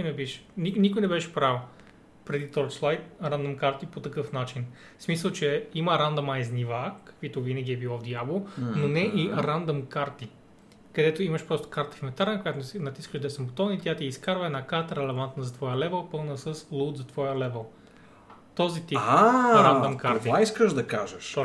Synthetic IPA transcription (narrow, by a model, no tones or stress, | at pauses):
ikjnɛbiʃnʲiknikʊjnɛbɛʃɛ̥pɾaw | pɾɛd̪it̪ɔjslˠajt̪ɾand̪omkaɾt̪ipot̪ɐkɤfnat͡ʃin | smisəlˠt͡ʃɛiməɾand̪ɐmajznʲivakɐ̥kvit̪ovinɐɡʲiɛbilˠɔd̪jablˠononɛʔiɾand̪omkaɾt̪i | kɐd̪ɛt̪oimɐʃpɾɔst̪o̥kaɾt̪ɐ̥fimɛnt̪aɾnəkojat̪onɐt̪iskəʒd̪ɐɛsɐmbot̪ɔnit̪ʲjat̪iːskaɾvəɛd̪nakaɾt̪əɾɛlɛvant̪nɐzɐt̪vɔjəlɛvɛlˠpɤlˠnəsəslˠut̪zɐt̪vɔjəlɛvɛlˠ | t̪ɔzit̪iaɾand̪omkaɾt̪iaiskəʒd̪ɐkaʒɛʃ